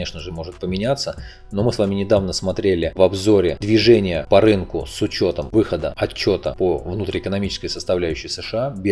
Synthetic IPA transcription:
eʂnəʐɨmo̞ʐɨt̪̚pəmʲɪnʲat̪sːə | no̞mɨsvamʲɪnʲɪd̪avnəsmɐt̪ɾʲelʲɪvɐbzo̞ɾʲɪd̪vʲɪʐenʲɪjəpɐɾɨnkʊsʊt͡ɕo̞t̪əmvɨxəd̪əɐt͡ɕːo̞t̪əpovnut̪ɾʲɪɪkənɐmʲit͡ɕɪ̥skəjsəst̪ɐvlʲæjʉɕːɪjsɨʂɨabʲ

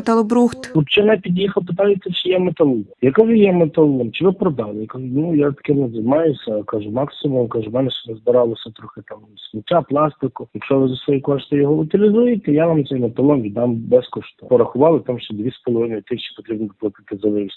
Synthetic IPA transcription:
t̪ɐlˠɔbɾuxt̪lˠɔpt͡ʃɪnɛpʲid̪ʲjixɐlˠpɪt̪ɑjɪsʲɐt͡ʃɪjɛmet̪ɐlˠujɐkaʒʊjɛmet̪ɐlˠɔɔmt͡ʃɪʋɪpɾɔd̪ɑlˠɪjakɐʒʊnujat̪ɐ̥kɪnɛzɐjmɑjʊsʲɐkaʒʊmɑksɪmʊmkaʒʊmɛnɛʃt͡ʃɛnɛzbɪɾɑlˠɔsʲɐt̪ɾɔxɪt̪ɑmsmʊtʲːaplˠɑst̪ɪkʊjɐkʃɔʋɪzɐsʋɔjikɔʃt̪ɪjɔɦɔʊt̪ʲɪlʲɪzujɪt̪ɛjaʋamt̪ɛjmet̪ɐlˠɔnʋʲid̪ɑmbɛskɔʃt̪pɔɾɐxʊʋɑlˠɪt̪ɑmʃt͡ʃɔd̪ʲʋʲisʲpɔlˠɔʋɪnɔjt̪ɪxt͡ʃi̥pɔt̪ɾʲibnɔplˠɪk̪ɐt̪ɪzɐʋɪsʲ

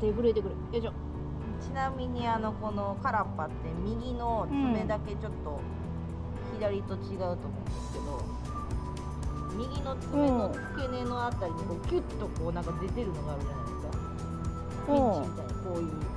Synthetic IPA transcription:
d̪̥e̞bɯ̟ɾe̞t̪e̞kɯɾɯd̪eɕo | t͡ɕinamʲiɲ̟iano̞ko̞no̞kaɾapːat̪ːe̞mʲiɡʲino̞t͡sɨme̞d̪ake̞t͡ɕo̞t̪ːo̞ | çid̪aɾʲit̪o̞t͡ɕiɡaɯ̟t̪o̞ːmõːnd̪esɨ̥ke̞d̪o̞ | mʲiɡʲino̞t͡sɨme̞no̞̥ | kene̞no̞at̪ːaɾʲiɲikoːkʲɯt̪ːo̞ko̞ːnãŋkad̪e̞t̪e̞ɾɯ̟no̞ɡaːɾɯ̟ʑanaid̪eska̰ | oit͡ɕimʲit̪aɲako̞ːjɯ̟ː

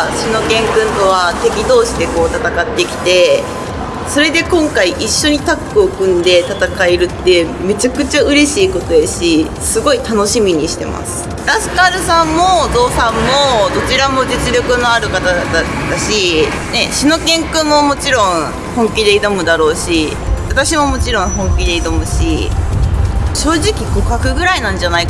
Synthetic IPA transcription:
ɕino̞kẽ̞ŋkɯ̟̃nt̪o̞β̞at̪e̞kʲid̪o̞ːɕid̪e̞ko̞ːt̪at̪akat̪ːe̞kʲi̥t̪e̞ | so̞ɾe̞d̪e̞kõ̞ŋkaiʔiɕːo̞ɲ̟it̪akːɯ̟okɯ̟̃nd̪e̞t̪at̪akaeɾɯ̟t̪ːe̞me̞t͡ɕakɯ̟t͡ɕaɯ̟ɾe̞ɕiːko̞t̪o̞jeɕi | sɨɡo̞it̪ano̞ɕimʲiɲ̟iɕi̥t̪e̞mʔa̰sɨ̥ | ɾasɨ̥kaɾɯ̟sãmːo̞d̪o̞ːsãmːo̞d̪o̞t͡ɕiɾamo̞d͡ʑit͡sɨɾʲo̞kɯ̟no̞aɾɯ̟kat̪ad̪at̪ːaɕi | ne̞ɕino̞kẽ̞ŋkɯ̟mo̞mo̞t͡ɕiɾõ̞ŋ̃ | hõ̞ŋkʲid̪e̞id̪o̞mɯ̟d̪aɾo̞ːɕi | βat̪aɕimo̞mo̞t͡ɕiɾõ̞ɰ̃ɦõ̞ŋkʲid̪e̞id̪o̞mɯ̟ɕi | ɕo̞ːʑikʲiko̞kakɯ̟ɡɯ̟ɾainãɲ̟d͡ʑanaik

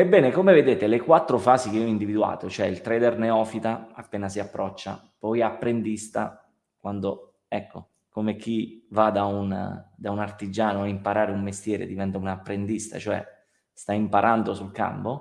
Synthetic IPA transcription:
ebːɛːnekomeved̪eːt̪elekwat̪ːɾofaːsik̟eiɔind̪ivid̪ua̰ːt̪ot͡ʃoɛilt̪ɾɛːd̪erneɔːfit̪aa̰pːeːnasiapːɾɔt͡ʃːa̰ | pɔjapːɾend̪ist̪a̰ | kwand̪o | ɛkːo | komek̟ivad̪aun̰d̪aunart̪id͡ʒaːnoaimpaɾaːɾeumːest̪jɛːɾḛd̪ivɛnt̪aunapːɾend̪ist̪a̰t͡ʃoɛ̰ | st̪aimpaɾʔand̪osulka̰mpo

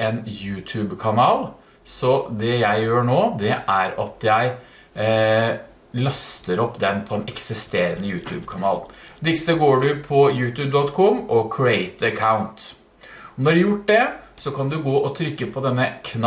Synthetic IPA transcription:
enjʉːt̪ʰʉːbkʰɑnɑːl | sɔd̪ɛjæɪjøːɳoːd̪ɛʔæɾɑt̪jæɪ | lɑst̪əɾɔpːd̪ɛnpʰɔɛnɛksɪst̪eːɾənəjʉːt̪ʰʉ̰ːbkʰɑnɑ̰ːld̪ɪksəɡoːɖʉpʰɔjʉːt̪ʰʉːb̚d̪ɔt̪kʰɔmːɔkʰɹɪeɪt̪əkʰaʊnt̪ | ɔnɔɖʉjʊʈːɖ̪ɛsɔkʰɑnd̪ʉɡoːʔɔt̪ʰɾʏkːəpʰɔd̪ɛnːəkʰn

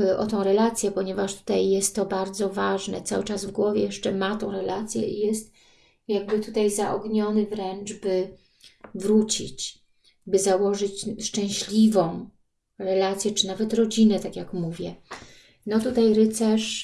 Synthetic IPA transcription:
ʔɔ̰t̪ɔ̃w̃ɾɛlat̪sʲjɛpɔɲɛvaʂt̪u̥t̪ajːɛst̪ːɔbaɾd̪zɔvaʐnɛ̰t̪sa̰wɘt͡ʂazvɡwɔvʲjɛjɛʂt͡ʂɛmat̪ɔ̃w̃ɾɛlat̪sʲjɛ̰ʔijɛst̪ | jaɡ̚bɘt̪ut̪ajzaʔɔɡɲɔnɘvɾɛnd͡ʐbɘ | vɾut͡ɕḭt͡ɕ | bɘzawɔʐɘt͡ɕʂt͡ʂɛ̃w̃ɕlʲivɔ̃w̃ | ɾɛlat̪sʲjɛt͡ʂɘnavɛt̪ɾɔd͡ʑinɛt̪akʲjakmuvʲjɛ | nɔt̪ut̪ajɾɘt̪sɛʂ

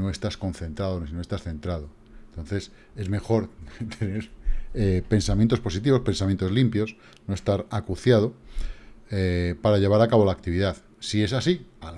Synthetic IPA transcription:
oe̞st̪asko̞nθẽ̞nt̪ɾaðonisinost̪asθẽ̞nt̪ɾað̞o̞ | ent̪o̞n̟θe̞s | e̞zme̞xo̞ɾt̪ʰe̞ne̞ɾepe̞nsamjẽnt̪o̞spo̞sit̪̬iβo̞spe̞nsamjent̪o̞zlimpjo̞s | no̞e̞st̪aɾakuθjað̞o̞ | epaɾaʎe̞β̞aɾakaβo̞laːk̚t̪iβiðað | sie̞sasia

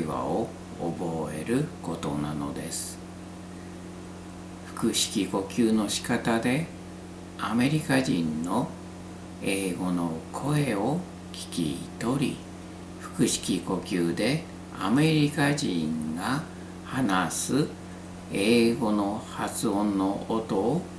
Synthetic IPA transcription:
βa̰o | o̰bo̞e̞̰ɾɯ̟ko̞t̪o̞nano̞d̪e̞̰sɨ̥ | ɸɯ̟̥kɯ̟ɕi̥kʲiko̞kʲɨːno̞ɕi̥kat̪ad̪e̞ | ame̞ɾʲikaʑĩnːo̞ | e̞ːɡo̞no̞kʰo̞e̞o | kʲi̥kʲḭt̪o̞ɾʲḭ | ɸɯ̟̥kɯ̟ɕi̥kʲiko̞kʲɨːd̪e̞ | a̰me̞ɾʲikaʑĩŋɡa | hanasɨ | eːɡo̞no̞hat͡sɨõ̞nːo̞ot̪o̞ː

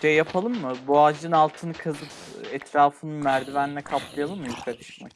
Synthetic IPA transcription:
ejːapʰalˠɯmːɯboad͡ʒɯnalˠt̪ʰɯnɯkʰazɯpɛt̪ʰɾaːfɯnɯnmæɾd̪ivæninɛkʰapʰlˠajalˠɯmːɯjukʰalʲˠɯʃma̰k

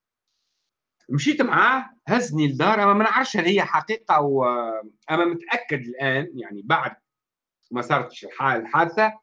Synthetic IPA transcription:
mʃiːt̪maʕaːhæznid̪ːɑːɾˤʔæmːæmɪnʕɾˤfʃhælːihɪjːæħɑqiːqɑw | ʔæmːæmʊt̪ʔækːad̪ɪlʔæːnjaʕnibaʕd̪̚ | mæsˤɑːɾˤt̪ʃɪlħaːlħaːd̪ɪθa

